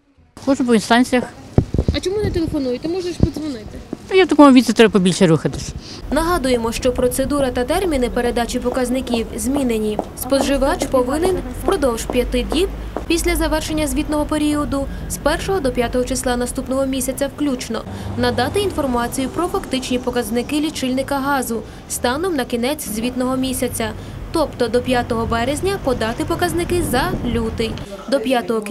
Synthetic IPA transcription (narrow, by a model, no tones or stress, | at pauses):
kɔʒbɔinst̪ɑnʲt͡sʲijɐxɐt͡ʃɔmunɛt̪elˠefɔnujʊt̪ɪmɔʒnɐʃpid̪zʋɔnɪt̪ɪnujat̪ɐkɔmʊʋʲit̪sʲɛt̪ɾɛbɐpɔbʲilʲʃɛɾuxɐt̪ɪsʲɐ | nɐɦɑd̪ʊjemɔʃt͡ʃɔpɾɔt̪se̞d̪uɾɐt̪ɐt̪ɛrmʲinɪpe̞ɾe̞d̪ɑt͡ʃipɔkɐzʲnɪkʲiwzʲmʲinenʲispɔʒɪʋɑt͡ʃpɔʋɪnen | pɾɔd̪ɔwʒpʲjɐt̪ɪd̪ʲnʲib | pʲisʲlʲɐzɐʋɛrʃe̞nʲːɐzʲʋʲit̪nɔɦɔpe̞ɾʲiɔd̪ʊ | spɛrʃɔɦɔd̪ɔpʲjat̪ɔɦɔt͡ʃeslˠɑnɐst̪upnɔɦɔmʲisʲɐt͡sʲɐwklʲut͡ʃnɔ̰nɐd̪ɑt̪ɪin̪fɔrmɑt͡sʲijʊpɾɔfɐkt̪ɪt͡ʃnʲipɔkɐznɪkɪlʲit͡ʃɪlʲnɪkɐɦɑzʊ | st̪ɑnɔmnɐkʲinɛt͡sʲzʲʋʲit̪nɔɦɔmʲisʲɐt͡sʲɐ | t̪ɔpt̪ɔd̪ɔpʲjat̪ɔɦɔbɛɾezʲnʲɐpɔd̪ɑt̪ɪpɔkɐznɪkɪzɐlʲut̪ɪj | d̪ɔpʲjat̪ɔɦɔ